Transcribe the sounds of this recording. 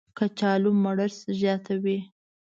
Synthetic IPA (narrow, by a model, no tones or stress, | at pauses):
kat͡ʃɑlumaɽəɾsʒjɑt̪ʰawi